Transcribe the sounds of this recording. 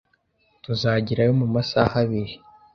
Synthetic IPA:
tuzaɟiɾajomumasahaβiɾi

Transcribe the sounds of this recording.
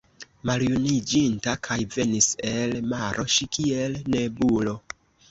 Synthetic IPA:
maljunid͡ʒintakʰajve̞nise̞lmaɾʔo̞ʃikielne̞bulo̞

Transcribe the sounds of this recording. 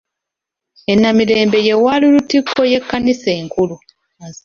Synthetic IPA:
e̞nːamiɾe̞ːmbe̞je̞waːlilutikʰːo̞je̞kːaniseːŋkulu

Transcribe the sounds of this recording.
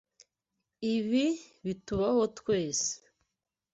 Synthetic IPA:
iβiβituβaho̞tweːse̥

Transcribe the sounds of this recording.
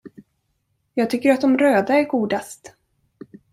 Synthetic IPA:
jɑːɡ̚t̪ʰʏkːəɾat̪̚d̪ɔmɾøːd̪aæɾɡuːd̪ast̪

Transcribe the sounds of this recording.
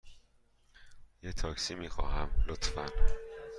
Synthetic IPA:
jet̪ʰɒːksiːmiːxɒ̰ːɦæmlot̪ʰfæn

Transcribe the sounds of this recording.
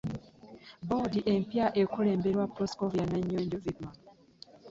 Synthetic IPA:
bodiʔempjaʔekuleːmbeɾwapɾoskovianaɲːoːɲɟozidma

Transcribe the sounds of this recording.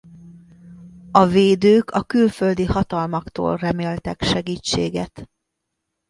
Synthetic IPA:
ɒveːd̪øːkʰɒkylføld̪ihɒt̪ɒlmɒkt̪o̰ːlrɛmeːlt̪ɛkʃɛɡiːt͡ʃːḛːɡɛt̪

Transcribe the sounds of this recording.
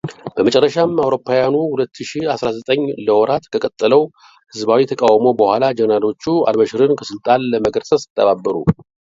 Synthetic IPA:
b̥əmət͡ʃʼɛrːəʃamawɾo̞pʰːajanuhulət̪ʰːɨʃiasɾazət̪ʼəɲːləwɔɾat̪kʰəkʼət̪ʼːɨləw | hɨzbawit̪ʰəkʼawmo̞bəhʷalad͡ʒənalo̞t͡ʃːua̰lməʃɨɾɨnkʰəsɨlt̪ʼanləməɡəɾsʼəsɨ̥t̪ʰʼːəβabːəɾṵ

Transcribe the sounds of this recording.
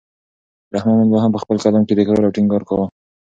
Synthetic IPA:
ɾahmɑnanboɦampəxpəlkad̪amked̪ekɾɑɾawʈɪŋɡɑɾkawə

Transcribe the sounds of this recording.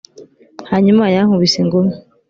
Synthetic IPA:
haɲumajaŋuβiseŋɡome

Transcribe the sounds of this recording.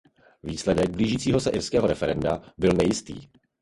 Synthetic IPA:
viːslɛdɛɡ̚bliːʒiːt͡siːɦo̞sɛʔɪɾskɛːɦo̞ɾɛfɛɾɛndabɪlnɛjɪst̪ḭː

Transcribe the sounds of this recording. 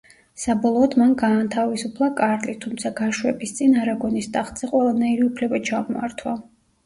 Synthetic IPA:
sabɔlˠɔːd̪manɡaːnt̪ʰavisupʰlˠakʼaɾlit̪ʰumt̪sʰaɡaʃwɛbist̪sʼinaɾaɡɔnist̪ʼaχt̪ʼz̥ɛqʼwɛlˠanaiɾiupʰlɛbat͡ʃʰamɔa̰ɾt̪ʰwa

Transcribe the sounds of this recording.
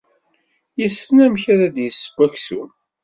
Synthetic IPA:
jəsːənæmçaɾad̪jəsːə̥ɡʷːæksṵn

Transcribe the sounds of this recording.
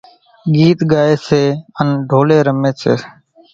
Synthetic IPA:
ɠiːt̪ɡaːeːseːənɖʱoːleːɾəmeːseː

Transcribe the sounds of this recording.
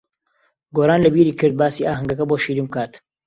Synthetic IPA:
ɡoːɾaːnlɐbiːɾiːkʰɨɾd̪̚baːsiːʔaːɦɨŋɡɐkɐboːʃiːɾiːmb̚kʰaːt̪

